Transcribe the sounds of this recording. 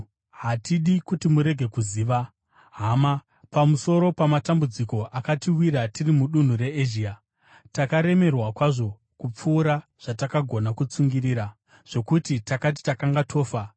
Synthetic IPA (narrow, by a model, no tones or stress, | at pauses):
ɦatiɗikutimuɾe̞ɡʱe̞kuziːʋa | ɦaːma | pamuso̞ɾo̞pamatambud͡ziko̞ʔakatiwiɾatirimuɗun̤ure̞eʒia | takaɾe̞me̞rwakwaʐo̞ | kup͡fuːɾaʐ̥atakaɡʱo̞nakut͡suŋɡiriːɾa | ʐ̥o̞kutitakat̬i̥takaŋɡatʰo̞ːfa